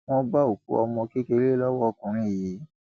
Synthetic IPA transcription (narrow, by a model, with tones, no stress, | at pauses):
wɔ̃˦ba˦o˨kṵ˦ɔ̰˧mɔ̃˧ki˦ke˧ɾe˦lɔ˦wɔ˦˧˨kũ˨ɾ̃ĩ˦˨ji˨˦